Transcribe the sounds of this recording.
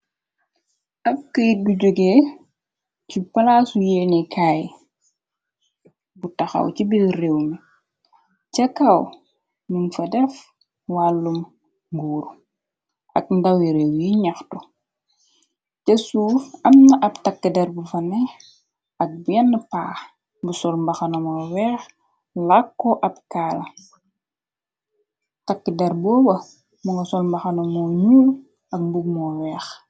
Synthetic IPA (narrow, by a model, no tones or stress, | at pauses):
ʔɐp̚kəjt̚buɟuɡe | cipɐlasujenikʰaːj | butɐxɐ̰wcibilrewmi | cɐkːɐw | nunfɐdɛf | walːum | ɡuːɾ | ʔɐ̰k̚ndɐwiɾewjiɲɐxtu | cɐsuɐmnɐʔɐbtakːədɛɾbufɐnɛ | ɐk̚bɛnːəpaːx | busɔlmbaxanɐmɔːwɛːx | lakːɔʔɐpkaːlɐ | takːidɛɾbɔːbɐ | muŋɡɐsɔlmbɐxɐnɐmɔːɲuːl | ɐk̚buɡ̚mɔwɛːx